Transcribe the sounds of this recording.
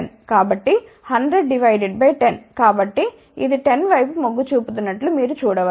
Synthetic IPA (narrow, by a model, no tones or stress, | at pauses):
nkaːbɐʈːi | hɐɳɖɾeɖɖiʋɐjɖeɖ̚bɐjʈenkaːbɐʈːi | ḭd̪iʈenʋɐjpumoɡːut͡ʃuːput̪̬unːɐʈlumiːɾut͡ʃuːɽɐʋɐ